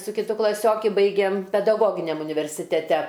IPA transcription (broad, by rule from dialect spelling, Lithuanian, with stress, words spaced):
sʊ kʲɪˈtʊ klˠɐˈsʲoːkʲɪ ˈbɐɪɡʲeːm pʲɛdɐˈɡoːɡʲɪnʲɛm ʊnʲɪʋʲɛrʲsʲɪtʲɛˈtʲɛ